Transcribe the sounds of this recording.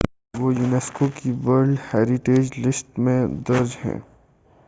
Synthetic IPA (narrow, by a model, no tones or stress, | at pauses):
ʋoːjuːnɛːskokiʋɐɾɖhɛːɾɪʈeːd͡ʒlɪst̪mẽd̪ɐɾd͡ʒhɛ̰̃ː